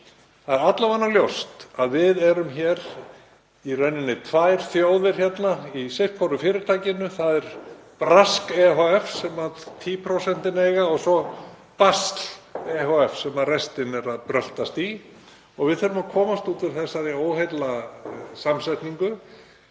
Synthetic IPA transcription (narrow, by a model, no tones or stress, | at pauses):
θaðɛɾat̪lavanːaljowst̪aðvɪðɛɾʏmçɛːɾ | irœɥnːɪnːɪt̪ʰvaːjɾ̥θjoːwðvɪɾ̥çɛt̪naisejht̪kʰfɔɾʏfɪːɾɪɾt̪ʰaːcɪnʏθaðɛɾ̥pɾaskɛɦoɛfsɛmat̪ʰiːpʰɾosɛn̥t̪ɪnejɣaɔɣsɔ | past̪lɛhoɛfsɛmaðrɛst̪ɪnɛɾaðpɾœl̥t̪ast̪i | ɔɣvɪðθœɾʏmakʰɔːmast̪uːt̪ʏɾ̥θɛsːaɾioːwɦejt̪lasamsɛjht̪niŋkʏ